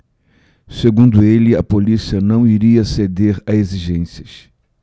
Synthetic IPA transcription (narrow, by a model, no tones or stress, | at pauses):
seɡũnd̪ʊelɪɐpolisiɐnɐ̃w̃iɾiɐsed̪eɾɐeziʒẽsiɐs